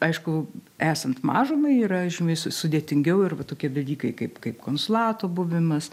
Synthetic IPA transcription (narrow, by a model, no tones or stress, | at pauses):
ɐɪʃkʊæːsɐnt̪mɑːʒomɐɪiːɾɐʒʲɪnoːjssʊd̪ʲeːt̪ʲɪŋʲɡʲɛʊɪrʋɐt̪oːkʲiɛd̪ɐlʲiːkɐɪkɐɪpkɐɪpkoːnsʊlˠɑːt̪oːbʊʋʲɪmɐs